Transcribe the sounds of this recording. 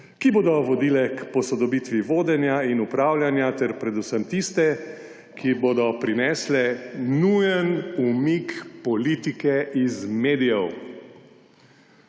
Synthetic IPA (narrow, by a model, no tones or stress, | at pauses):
kiboːd̪ɔʋɔd̪iːlɛkpɔsɔd̪ɔbiːt̪ʋiʋoːd̪ɛnjainupɾaːwljanjat̪ɛɾpɾɛd̪usəmt̪ist̪ɛ | kʰiboːd̪ɔpɾinɛːslɛnujənumikpɔlit̪ikɛizmeːd̪ijɛw